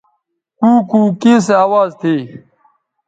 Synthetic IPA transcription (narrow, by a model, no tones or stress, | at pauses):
kuːkuːkiːs̬eaːwaːzt̪ʰeː